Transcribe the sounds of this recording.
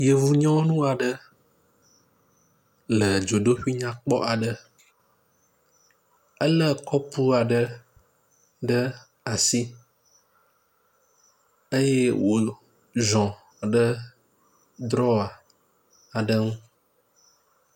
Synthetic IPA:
je˨vu˨ɲɔ̃˦nũ˦a˨ɖə˦ | lə˨d͡ʒo˨ɖo˦ɸi˦ɲã˦k͡pɔ̰˦ʔa˨ɖə˨ | ə˦lə˦kɔ˦pu˦a˨ɖə˦ | ɖə˦ | a˨si˦ | ə˦je˦wo˨ | zɔ̃˨ | ɖə˦ | d̪ɾɔ˦a˨ | a˨ɖə˦ŋũ˦

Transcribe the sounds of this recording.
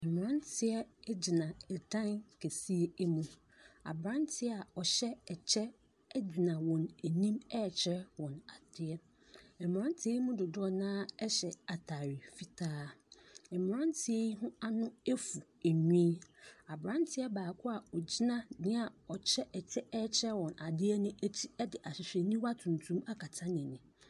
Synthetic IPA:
ɛ˨m˨ɾã˦ntʰɪ˦ɛ˦d͡ʑi˨nã˨ɛ˨dã˦nkʰe˨si˦e˦e˦mũ˨ | a̰˨bɾã˦ntʰɪ˦ɛ˦a˨ɔ˨ɕɛ˦ɛ˨t͡ɕʰɛ˦ | d͡ʑi˨nã˨wɔ̃˨næ˨nĩ˦mɛ˦˨t͡ɕʰɪ˦ɾɛ˦wɔ̃˨na˨tʰɪ˦ɛ˦ | ɛ˨m˨ɾã˦n˦tʰɪ˦e˦i˦mũ˦dʊ˨dʊ˦ɔ˦nãː˦ɛ˦ɕɛ˨a˨tʰaː˨ɾi˨fi˦tʰaː˦ɛ˨m˨ɾã˦ntʰɪ˨e˦ji˦ɦʊ̃˦a˦nʊ̃˦e˦fu˨ | æ˨ɲĩː˦a˨bɾã˦ntʰɪ˦ɛ˦baː˨kʰʊ˦a˨ɔ˨d͡ʑi˦nã˦nɪ̃˦a˨ɔ˨t͡ɕʰɛ˦ʔɛ˨t͡ɕʰɛ˦ɛ˦t͡ɕʰɛ˦wɔ̃˨na˨dɪ˦ɛ˦nʊ̃˦æ˦tʰi̥˦ɛ˦dɪ˨ʔa˨ɕɪ˨ɕᶣɛ˨nĩ˦wa˦tʰũ˨n˨tʰũ˦ma˦kʰa˨tʰã˦nɪ̃˨nɪ̃˨

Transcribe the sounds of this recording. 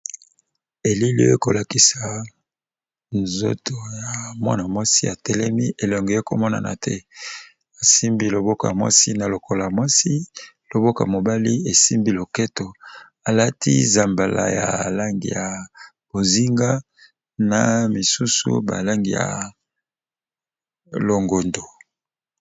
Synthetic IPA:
e˨li˦lḭ˦e˦ko˨la˨ki˨sa˨ | nzo̰˦to˨ja˨mwa̰˦na˨mwa˦si˦a˨tɛ˦lɛ˦mi˦ʔe˨lɔ˨ŋɡɔ˨˦e˦ko˨mɔ˦na̰˨na̰˨tʰɛ̰˦ | a˨si˦mbi˦lo˨bo˦ko̰˨ja˨mwa̰˦si˦na˨lo˨kʰo˦la˨mwa˦si˦ | lo˨bo˦ko˨ja˨mo˨ba˦li˦e˨si˦mbi˦lo˨kɛ˦to˨ | a˨la˦tʰḭ˦za˨mba˨la̰˨ja̰˨la˦ŋɡḭ˨ja˨ | b̥o˨zi˦ŋɡa˦ | na˨mi˨su˦sṵ˦ba̰˨la˦ŋɡi˨ja̰˨ | lo˨ŋɡo˨ndo˨

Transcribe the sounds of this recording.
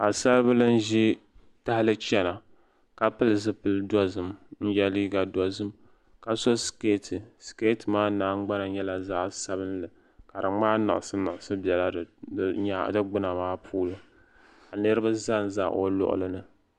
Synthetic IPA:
a˨sa˦lbɨ˦lɨ˦n̩˦ʒi˦ | ta˦ha˦lɨ˦t͡ʃɛ˦na˨ | ka˨pɨ˦lɨ˨zɨ˦pɨ˦ldɔ˦zɨ˨mn̩˦jɛ˦liː˦ɡa˨dɔ˦zɨ˦m | ka˨so˦ske˦tʰɨ˨ske˦tɨ˨maː˦naː˦ŋ͡mɡ͡ba˦na˨ɲɛ˦la˨zaː˦sa˦bɨ˦n˦lɨ˨ | ka˨ɾɨ˨ŋ͡maː˦na̰˨ʔsɨ˦na˨ʊ˨sɨ˦bɛ˨la˦˨˦ɲa˦dɨ˦ɡ͡bɨ˦na˨maː˦pʰuː˦lɨ˦ | a˨nɨ˦ɾɨ˦ba˦za˦n˨za̰˦˨ʔo̰˦lʊ̰˦ʔʊ̰˨lɨ˦nɨ˨

